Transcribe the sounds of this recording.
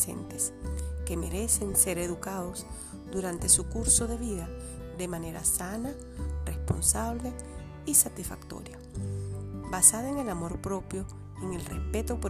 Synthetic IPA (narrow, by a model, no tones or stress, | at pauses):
sḛnt̪eske̞meɾe̞sense̞ɾeðukaðo̞z | d̪uɾant̪e̞sukuɾso̞ðe̞βiða | ðe̞mane̞ɾa̰sana | respo̞̰nsaβ̞le | isat̪isfa̰kt̪o̰ɾja | basaðoeŋe̞lamo̞ɾpɾo̞pjo̞ | eŋe̞lrespe̞t̪opo